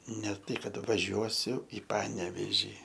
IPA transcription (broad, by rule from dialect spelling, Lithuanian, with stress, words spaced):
nʲɛ ˈtɐɪ ˈkɐt ʋɐˈʒʲuɔsʲʊ ɪ ˈpɑːnʲɛʋʲeːʒʲiː